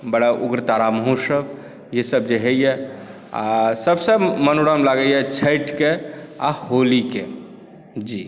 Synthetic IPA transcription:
bəɽaʔuɡɾət̪aɾaməɦũsəb | jesəb̚d͡ʒeɦejɛ | a̰səbsəmənoɽamlaɡəjɛt͡ʃʰəɪʈkea̰holike | d͡ʒi

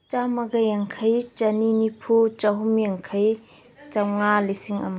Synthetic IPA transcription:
t͡ʃamɐɡajaŋkʰajt͡ʃɐninipʰut͡ʃaɦumjaŋkʰaj | t͡ʃawŋalisiŋɐ̰ma

